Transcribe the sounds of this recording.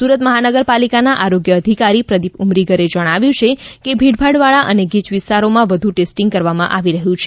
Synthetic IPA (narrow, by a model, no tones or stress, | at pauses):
suɾət̪məɦanəɡəɾpalikanaʔaɾoɡjəːd̪ʱikaɾipɾəd̪ipumɾiɡəɾed͡ʒəɽ̃aʋjũt͡ʃʰekebʱiɽbʱaɽʋaɭaʔəneɡit͡ʃʋɪst̪aɾomãʋəd̪ʱũʈesʈiŋɡ̚kəɾʋamã̰ʔaʋiɾəɦjũt͡ʃʰe̥